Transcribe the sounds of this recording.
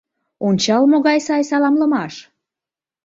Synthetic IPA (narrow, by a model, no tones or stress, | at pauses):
onʲt͡ɕɑlmoɣɑjsɑjsɑlɑmləmɑʃ